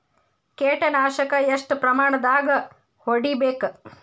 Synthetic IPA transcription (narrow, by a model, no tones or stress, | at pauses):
keːʈɐnaːʃɐkɐeʂʈpɾɐmaːɳɐd̪aːɡɐ | hoɽibeːk